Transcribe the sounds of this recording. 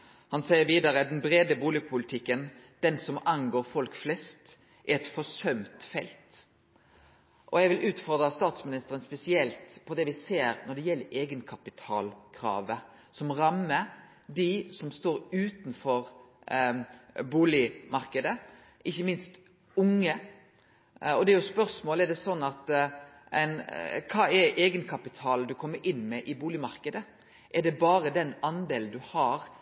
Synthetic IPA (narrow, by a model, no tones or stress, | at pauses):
hɑnsɛɪəɾʋiːd̪ɑɾəd̪ɛnbɾeːd̪əbuːlɪpʰʊlɪt̪ʰɪkːən | d̪̥ɛnsɔmɑŋɡoːɾfɔlkflɛst̪ | ʔæɛt̪fɔsœmt̪fɛ̰lt̪ | ʔɔjɛɡʋɪlʔʉːt̪fɔɾd̪ɾɑst̪ɑːt̪smɪnɪst̪əɾənspɛsɪɛlt̪pʰɔd̪ɛʋɪseːɾnɔɖ̪ɛjɛlːəɾʔeːɡənkʰɑpɪt̪ʰɑ̰ːlkʰɾɑ̰ːʋə | sɔmɾɑmːə | d̪ɪsɔmst̪oːɾʉːt̪nfɔɾ | buːlɪmɑɾkəd̪ə | ʔɪçːəmɪnst̪ | ʊŋːə | ɔd̪ɛɾjʊspœɾsmoːlɛɖ̪ɛsɔnːɑt̪ | ɛ̰ɪnkʰɑːɛʔeːɡənkʰɑpɪt̪ʰɑːld̪ʉkʰɔmːəɾʔɪnːmɛʔɪbuːlɪmɑɾkəd̪ə | ʔɛɖɛbɑːɾəd̪ɛnɑnd̪eːlnd̪ʉhɑːɾ